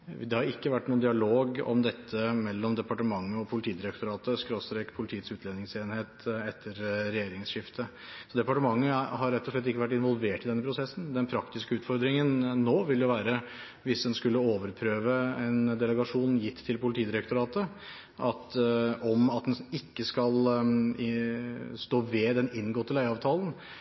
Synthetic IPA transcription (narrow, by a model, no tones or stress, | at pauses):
d̪ɛhɑɾɪkːəʋæʈːnuːnd̪ɪɑloːɡɔ̰md̪ɛt̪ʰːəmɛlːɔmd̪ɛpɑʈəmɑŋːəɔpʰʊlɪt̪ʰiːd̪ɪɾɛkt̪ʊɾɑːt̪əskɾoːst̪ɾekpʰʊlɪt̪ʰiːət̪sʉːt̪leːnɪŋseːnheːt̪ɛt̪ʰːəɾɾɛjeːɾɪŋsʂɪft̪ʰə | sɔd̪ɛpɑʈəmɑŋːəhɑɾːɛt̪ːɔʂɭɛt̪̬ːɪkːəʋæʈ̬ːɪnʋɔlʋeːʈːɪd̪ɛnːəpʰɾʊsɛsːnd̪ɛnpʰɾɑkt̪ɪskəʉːt̪fɔɾd̪ɾɪŋənːoːʋɪld̪jʊʋæːɾə | ʋɪsd̪ɛnskʉlːəoːʋəɾpʰɾøːʋəɛnd̪ɛləɡɑʂuːnjɪt̪ʰːɪlpʊlɪt̪ʰiːd̪ɪɾɛkt̪ʊɾɑːt̪ə | ʔɑt̪ɔmɑt̪̚d̪ɛnɪkːəskɑl | st̪oːʋɛd̪ɛnɪnːɡɔt̪ːəlæɪɑːʋt̪ʰɑːlən̩